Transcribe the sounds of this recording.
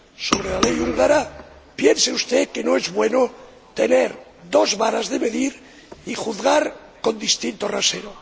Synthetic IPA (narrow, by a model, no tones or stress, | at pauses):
so̞β̞ɾelalejuŋɡaɾa | pje̞nseust̪e̞ke̞no̞ezβwe̞no | t̪e̞neɾ | d̪o̞zβaɾazðe̞me̞ðiɾ | ixuθɣaɾ | ko̞nd̪ist̪int̪o̞rase̞ɾo